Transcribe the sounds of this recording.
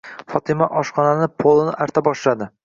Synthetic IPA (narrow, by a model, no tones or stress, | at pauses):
fɒt̪ʰɪmaʔɒʃχɒnanɪpʰolˠɪnɪʔaɾt̪ʰabɒʃlad̪ɪ